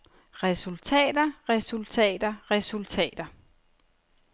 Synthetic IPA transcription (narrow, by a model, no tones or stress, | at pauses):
ʁɛsult͡sʰɛ̰ːd̥ɐʁɛsult͡sʰɛ̰ːd̥ɐʁɛsult͡sʰɛ̰ːd̥ɐ